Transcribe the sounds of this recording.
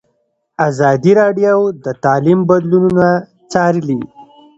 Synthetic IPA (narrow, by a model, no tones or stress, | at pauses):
azɑd̪iɾɑɖjowd̪ət̪ɑlimbad̪lununa | t͡sɑɾəli